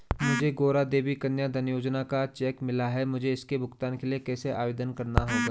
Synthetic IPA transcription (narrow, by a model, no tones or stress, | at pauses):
mʊd͡ʒʱeɡoːɾad̪eːbikɐnjad̪ʱɐnjoːd͡ʒnakat͡ʃɛːkmɪlaɦɛmʊd͡ʒʱeɪskebʱʊɡt̪aːnkeliekɛːseʔa̰ːʋeːd̪ənkɐɾnaɦoːɡaː